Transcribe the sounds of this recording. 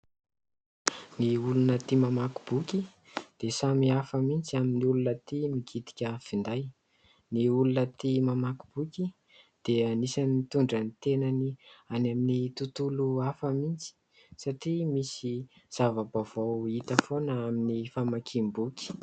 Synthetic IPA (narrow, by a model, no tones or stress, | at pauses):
niulunət̪imamaku̥b̥ukʲi | d̪̥esamiafəmint͡siaminiulunət̪imiɡʰit̪i̥kʲəfind̪aj | niulunət̪imamaku̥b̥uki | d̪̥eanisaniit̪uɳɖ͡ʐanit̪enanianaminit̪ut̪uluafəmint͡si̥ | saʈ͡ʂimisiz̥avəbav̥awit̪əfonəaminifamakʰimbukʲi̥